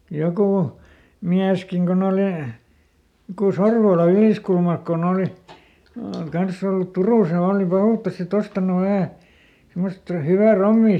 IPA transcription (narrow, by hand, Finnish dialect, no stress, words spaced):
jokuˑ miæskiŋ kon oliˑ joku sorʋoːlɑ yliˑskulmɑlk kon oˑli kɑnsː olːut turuˑs jɑ oːli pɑhuˑtːɑs sitː ostɑnu ʋæhæˑ simːost hyʋæ romːiː